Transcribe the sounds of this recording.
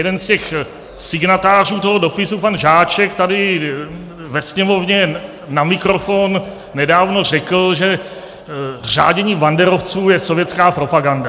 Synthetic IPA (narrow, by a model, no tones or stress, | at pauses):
jɛdɛnscɛx | sɪɡnat̪aːr̝uːt̪oɦodo̞pɪsupanʒaːt͡ʃɛkt̪adɪ | vɛsɲɛmo̞vɲɛ | namɪkɾo̞fonː | ɛdaːvno̞r̝ɛkl̩ʒɛ | r̝a̰ːɟɛɲiːvandɛɾo̞ft͡suːjɛsovjɛt͡skaːpɾo̞paɡanda